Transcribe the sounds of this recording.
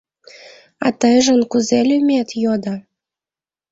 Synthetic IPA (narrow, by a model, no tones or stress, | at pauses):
ɑ̰t̪əjʒənkuzelʲymʲet̪jod̪ə